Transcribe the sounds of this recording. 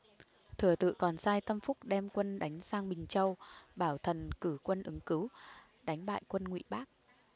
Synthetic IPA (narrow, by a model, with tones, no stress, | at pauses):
t̪ʰɨ˧˩ət̪ɨ̰˧˨kɔ˨˩nsaː˧jt̪ə˧mfʊ˦˥k͡p̚ɗɛ˧mkwə˧nɗa˨˦jŋ̟saː˧ŋɓï˨˩ŋ̟t͡ɕə˧wɓaː˧˩wt̪ʰə˨˩nkɨ˧˩kwə˧nʔɨ˨˦ŋkɨ˨˦w | ɗa˨˦jŋ̟ɓa̰ː˧˨jkwə˧nŋwḭ˧˨ɓaː˦˥k̚